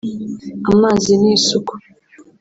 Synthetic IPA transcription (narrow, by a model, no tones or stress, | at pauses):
amaːziniːsuku̥